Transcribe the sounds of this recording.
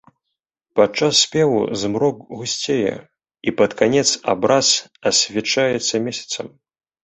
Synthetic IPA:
pat͡ʂasːʲpʲɛvṵzmɾɔkɣusʲt͡sʲejɛ̰ | ipɐt̪kanʲɛt̪sabɾasɐsʲvʲɛt͡ʂajɛt̪sːɐmʲɛsʲɐ̥t̪sɐm

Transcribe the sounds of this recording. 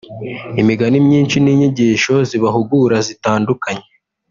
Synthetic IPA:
imiɡanimɲiːnʃiniːɲiɟiːʃo̞ziβaɦuɡuɾazitaːndukaɲe

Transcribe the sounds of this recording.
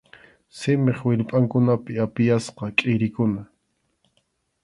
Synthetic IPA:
sɪmeχwɪʎpʼaŋkʊnapɪapɪjasqɑkʼɪɾɪkʊna

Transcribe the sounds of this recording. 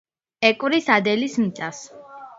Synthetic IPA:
ɛkʼvɾisad̪ɛlismit̪sʼas

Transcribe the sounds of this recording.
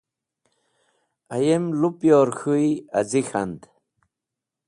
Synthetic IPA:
ajemlupjoɾxuja̰zixa̰nd̪

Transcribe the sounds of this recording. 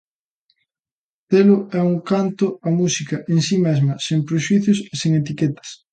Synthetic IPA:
θeloɛuŋkant̪oɐmusikɐʔensimezmɐseŋpɾeʃuiθjoseseŋet̪iket̪ɐ̥s

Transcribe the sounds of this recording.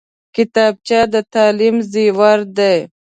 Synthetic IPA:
kɪt̪ɑːb̚t͡ʃad̪ət̪ɑːlimziwaɾd̪ej

